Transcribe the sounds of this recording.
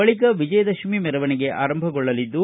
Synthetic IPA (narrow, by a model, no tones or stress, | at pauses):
ɐɭikɐʋid͡ʒɐjɐd̪ɐʃmimɛɾɐʋɐnɛɡe̞ʔaːɾɐmbʱɐɡɔɭːɐlid̪ːu